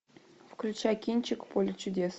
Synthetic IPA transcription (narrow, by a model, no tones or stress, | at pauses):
fklʲut͡ɕakʲinʲt͡ɕɪkpolʲɪt͡ɕudʲes